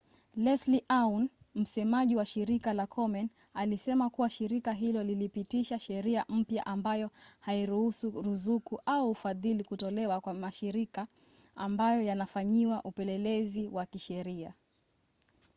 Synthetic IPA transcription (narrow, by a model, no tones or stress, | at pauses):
lɛsliʔawn | m̩sɛmaʄiwaʃiɾikalakʰɔmɛn | alisɛmakuwaʃiɾikaɦilɔlilipitiʃaʃɛɾiam̩pja̰ʔambajɔhaiɾuhusuɾuzukuʔauːfaðilikutɔlɛwakwamaʃiɾika | ambajɔjanafaɲiwaʔupɛlɛlɛziwakiʃɛɾia